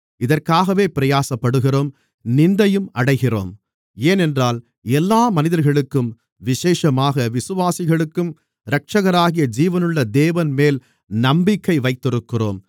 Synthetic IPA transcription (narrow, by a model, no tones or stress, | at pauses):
ɪðɐrkaːɣɐʋeːpɪɾɐjaːsɐpːɐɽɯɣɪroːm | nɪnd̪ɐjɯmɐɽɐɪɣɪro̰ːm | eːnɛndraːl | ɛlːaːmɐnɪðɐɾɣɐɭɯkːɯm | ʋɪʃeːʂɐmaːɣɐʋɪsɯʋaːsɪɣɐɭɯkːɯm | ɾɐk̚ʂɐɣɐɾaːɣɪjɐd͡ʒiːʋɐnɯɭːɐd̪eːʋɐnmeːl | nɐmbɪkːɐɪʋɐɪt̪ːɪɾɯkːɪro̰ːm